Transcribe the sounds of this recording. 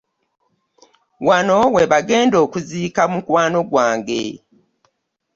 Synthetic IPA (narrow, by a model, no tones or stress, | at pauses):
wano̞we̞βaɡe̞ːndo̞ːkuziːkamukwaːno̞ɡwaːŋɡḛ